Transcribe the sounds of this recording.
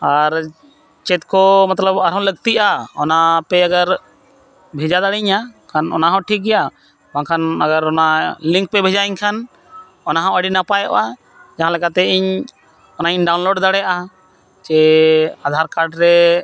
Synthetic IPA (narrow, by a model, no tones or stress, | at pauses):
aɾ | t͡ʃɛt̪kɔmat̪ləbaɾɦɔ̃ləɡ̚t̪iʔaɔnapɛaɡaɾ | bʱɛd͡ʒad̪aɽɛɲakʰanɔ̰naɦɔ̃ʈʰik̚ɡɛja | bãkʰanəɡaɾɔnaliŋk̚pɛbʱɛd͡ʒaiɲkʰan | ɔnaɦɔ̃əɖinapajɔ̰ʔa | d͡ʒaɦãlɛkat̪ɛʔiɲ | ɔnaiɲɖawnloɖd̪aɽɛʔa | t͡ʃɛad̪ʱaɾkaɾɖɾɛ